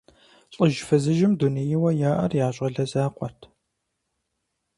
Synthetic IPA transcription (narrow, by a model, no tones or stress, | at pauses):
ɕʼɨʒfɐzɨʒɪmdunijɪwɐjaːʔɐ̰rjaːɕʷʼɐɮɐzaːqʷʼɔrtʰ